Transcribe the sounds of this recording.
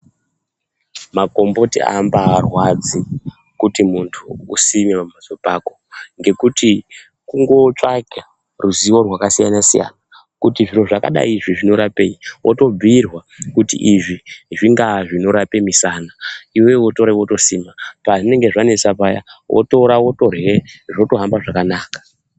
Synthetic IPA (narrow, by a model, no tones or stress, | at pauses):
mako̞mbo̞tia̰mbaːrwad͡zi | kutimuntʰuṵsimeamazopakoŋɡe̞kuti | kuŋɡo̞t͡ʂaɡa | ruziwo̞rwakasija̰nasija̰na | kutiʐiro̞ʐaka̰ɗa̰iʐiʐino̞ɾape̞iʔoto̞b͡virwa | kutḭʔiʐiʐiŋɡaʐino̞ɾape̞misanaiwe̞woto̞ɾawo̞to̞siːmapaʐine̞ŋɡeʐane̞t͡sapaja̰wʔo̰to̞ɾawo̞to̞rɣeʐo̞to̞ɦambaʐakanaːkḁ